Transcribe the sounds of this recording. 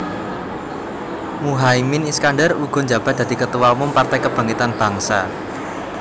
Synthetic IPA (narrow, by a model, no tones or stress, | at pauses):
muɦaiminiskanɖəruɡ̥ɔ̤ɲd͡ʒab̥a̤t̪̚d̥̪a̤d̪̥i̤kət̪əwaumʊmpart̪ajkəb̥a̤ŋit̪anb̥ä̤ŋsa